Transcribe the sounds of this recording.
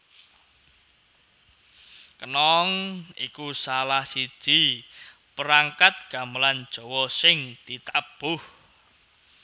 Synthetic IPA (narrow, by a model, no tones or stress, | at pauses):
kənɔŋikusalahsi̥ʒ̥i̤ | pəɾaŋkat̪̚ɡ̥a̤məland̥ʒ̥ɔ̤wɔsɪŋd̪̥it̪ab̥ʊh